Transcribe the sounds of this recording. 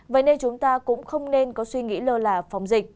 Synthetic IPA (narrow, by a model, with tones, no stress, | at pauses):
və̰˧˥jne˧nt͡ɕʊ˨˦ŋ͡mt̪aː˧kʊ̰˧˥ŋ͡mxə˧wŋ͡mne˧nkɔ˨˦swi˧ŋḭ˧˥ləː˧˩laː˨˩fa˨˦wŋ͡mzï˨˩k̚